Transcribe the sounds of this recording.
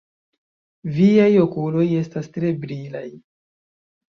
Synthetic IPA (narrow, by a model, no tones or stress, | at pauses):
viajo̞kulo̞je̞stastɾe̞bɾilaj